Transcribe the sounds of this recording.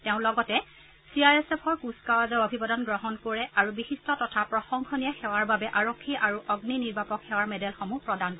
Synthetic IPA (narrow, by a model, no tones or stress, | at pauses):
teʊ̃lɔɡɔtɛ | siaɹɛsepʰɔɹkuskawazɔɔbʱibɔdɔnɡɹɔɦɔnkoɹɛaɹubixistɔtɔtʰapɹɔxɔŋkʰɔniaxɛwaɹbabɛʔaɹɔkʰːiʔaɹuʔɔɡniniɹbapɔkxɛwaɹmɛdɛlxɔmupɹɔdankɔ